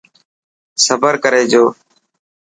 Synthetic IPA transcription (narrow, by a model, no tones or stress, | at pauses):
səbəɾkəɾeːd͡ʒoː